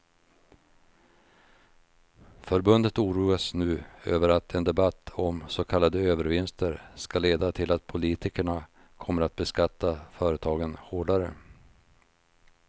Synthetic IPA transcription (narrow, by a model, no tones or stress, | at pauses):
fœɾbɵnd̪ət̪uːɾuːasnʉ̟ːø̰ːvəɾat̪ʰɛnd̪ɛbat̪ʰːɔmsokʰalːad̪əøːvəɾvɪnst̪əɾskaleːd̪at̪ʰɪlat̪̚pʰʊliːt̪ɪkəɳa | kʰɔmːəɾat̪̚bɛskat̪ːafœːɾət̪ʰɑːɡənhoːɖaɾə̰